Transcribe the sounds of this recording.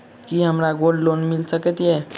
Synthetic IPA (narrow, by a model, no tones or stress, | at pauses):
kiɦɐmɾaɡoːlloːnmɪlsəkət̪iɦɛː